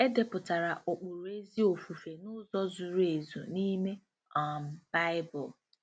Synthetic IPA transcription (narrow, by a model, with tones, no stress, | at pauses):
e˦de˨pʊ˨ta˨ɾa˨ʔo˨k͡pʊ˨ɾe˦zi˦o˨fu˨fe˨nʊ˦zɔ˦zu˨ɾe˨zṵ˨ni˦me˦ | a˨m̩˨b̥a˦ɪ˦bʊ˨l